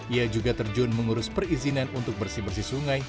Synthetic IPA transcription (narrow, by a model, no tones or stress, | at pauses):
iad͡ʒuɡat̪ərd͡ʒʊnməŋuɾʊspərizinanunt̪ʊk̚bərsibərsisuŋaj